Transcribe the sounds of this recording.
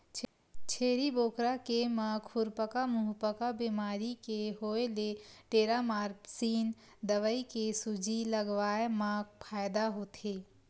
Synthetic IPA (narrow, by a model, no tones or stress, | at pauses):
t͡ʃʰeːɾiboːkɾakemãːkʰːʊɾpəkamʊɦpəkabiːmaːɾikeɦoːeleʈeːɾamaːɾpsiːn | d̪əʋəikesud͡ʒiləɡʋaːemãːk̚pʰaːjd̪aɦoːt̪eː